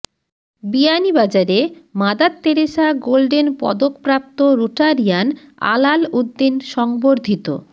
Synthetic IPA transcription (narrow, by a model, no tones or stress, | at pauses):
bianibad͡ʑaɾemad̪at̪ːeɾeʃaɡolɖenpɔ̰d̪okpɾap̚t̪oɾuʈaɾijana̰lalud̪ːinʃɔŋboɾd̪ʱit̪o̰